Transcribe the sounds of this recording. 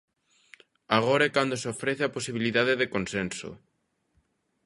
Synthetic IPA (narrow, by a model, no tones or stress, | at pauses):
aɣ̞oɾaɛkand̪oseofɾeθeaposiβiliðaðeðekonsenso̰